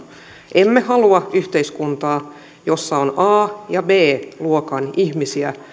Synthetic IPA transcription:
ʔemːehɑluɑyht̪eiskunt̪ɑː | jo̞sːɑonɑːjɑbeːluokɑnihmisiæ

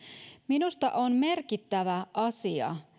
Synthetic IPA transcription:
minust̪ɑ̰ʔonme̞rkit̪ːæʋæʔɑsiɑ̰

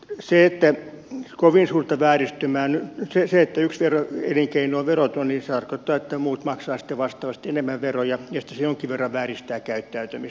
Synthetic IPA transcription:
seet̪ːæ | koʋinsuːrt̪ɑʋæːrist̪ymæːnyseseet̪ːæyksʋeroḛliŋkeinuoʋʋerot̪oninset̪ɑrkot̪ːɑːet̪ːæmuːt̪mɑksɑːsi̥t̪ːeʋɑst̪ˑɑːʋɑst̪enemːæʋʋerojɑjɑsi̥t̪ːæsejoŋkiʋʋerːɑʋʋæːrist̪æːkæyt̪ːæyt̪æmis

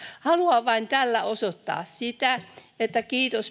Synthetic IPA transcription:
hɑluɑʋʋɑint̪ælːæosot̪ːɑ̰ːssit̪æ | et̪ːækiːt̪os

